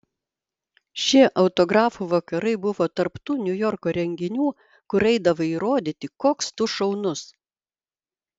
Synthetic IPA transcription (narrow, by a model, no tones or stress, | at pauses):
ʃʲiɛʔɐʊt̪ɔɡɾɑːfuʋɐkɐɾɐɪbʊʋoːt̪ɐɾpt̪uːnʲʊjɔɾkoːɾʲɛŋʲɡʲɪnʲuː | kʊɾɛɪd̪ɐʋɐiːɾoːd̪ʲiːt̪ʲɪkoːkst̪ʊʃɐʊnʊs